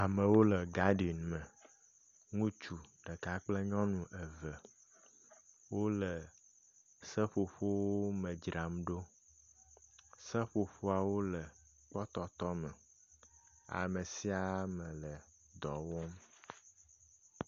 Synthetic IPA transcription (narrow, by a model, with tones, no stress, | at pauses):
a˨mə̃˨wo˦lə˨ɡa˦ɖi˨i˨nmə̃˨ | ŋũ˦t͡ʃu˨ɖə˨ka˦k͡plə˦ɲɔ̃˦nũ˨ʔə˨və˨ | wo˦lə˨ | sə˦ɸo˨ɸo˦wo˦mə̃˨d͡ʒɾa˨mɖo˦ | sə˦ɸo˨ɸo˦a˨wo˦lə˨ | k͡pɔ˦t̪ɔ˦t̪ɔ˦mə˨ | a̰˨mə˨si˦a˦mə̃˨lə˨ | d̪ɔ˨wɔ˦m